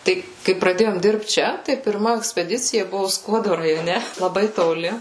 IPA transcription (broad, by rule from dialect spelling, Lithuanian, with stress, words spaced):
ˈtɐɪ kɐɪ prɐˈdʲeːjoːm ˈdʲɪrpt ˈt͡ʃʲɛ tɐɪ pʲɪrˈmɐ ɛksʲpʲɛˈdʲɪt͡sʲɪjɛ ˈbʊʋoː ˈskuɔdoː rɐjoːˈnʲɛ lˠɐˈbɐɪ toːˈlʲɪ